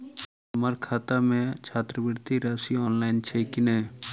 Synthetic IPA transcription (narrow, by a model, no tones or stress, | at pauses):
məɾkʰaːt̪amẽt͡ʃʰaːt̪ɾəbɪɾt̪ʰiɾaːsiɔːnlaːɪnt͡ʃʰekɪneː